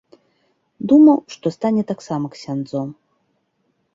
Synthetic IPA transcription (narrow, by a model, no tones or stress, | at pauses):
d̪umɐwʂt̪ɔst̪anʲɛt̪aksamɐksʲand̪zɔm